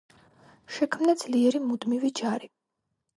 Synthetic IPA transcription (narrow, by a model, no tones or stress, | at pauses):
ʃɛkʰmnad̪z̥liɛɾimud̪mivid͡ʒaɾi